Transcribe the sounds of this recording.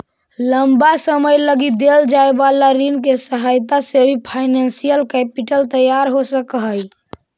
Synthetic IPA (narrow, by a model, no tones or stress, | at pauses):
ləmbasəməjləɡid̪eld͡ʒaebalaɾinkesəɦajt̪asebʱipʰaɪnensijəlkɛpiʈəlt̪əjaɾɦosəkɦəj